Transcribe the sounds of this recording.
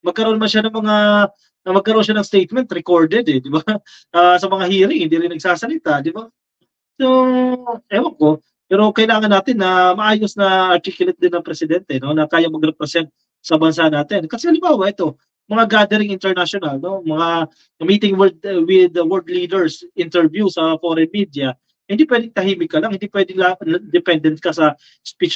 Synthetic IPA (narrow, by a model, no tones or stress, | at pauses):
mɐɡ̚kɐɾɐʔo̞nɐmɐnʃanɐŋmɐŋa | nɐmɐɡkɐɾʔo̞nʃanɐŋst̪ejt̪̚mɛnt̪ɾɛkoɹd̪ɛd̪ɛd̪ɪba | ʔasɐmɐŋahiːɾɪŋhɪnd̪iːɾɪnɐɡ̚saːsɐlɪt̪ad̪ɪba | so | ʔɐjwɐŋko̞ | pɛːɾo̞kɐʔɪlaːŋɐnːaːt̪ɪnːɐmɐʔaːjosnɐɐɾt̪iːkjʊlɛt̪̚d̪ɪnːɐŋpɾɛsɪd̪ɛnt̪ɛno̞nɐkaːjɐŋmɐɡɾɛpɾɛsɛnt̪̚ | sɐbɐnsanaːt̪ɪnkɐsɛhɐlɪmbaːwɐʔɛt̪o̞ | mɐŋaɡaːd̪ɛɾɪŋɪnt̪ɛɹnaʃonɐlno̞mɐŋa | miːt̪ɪŋwɛd̪̚wɪd̪wɛld̪liːd̪ɛɹsʔɪnt̪ɛɹvjusɐfo̞ːɾɛnmid̪jɐ | hɪnd̪iːpwɛːd̪ɪŋt̪ɐɦiːmɪkːɐlɐŋhɪnd̪iːpwɛːd̪ɪlaɐd̪ɛpɛnd̪ɛnt̪̚kɐsɐ | spit͡ʃ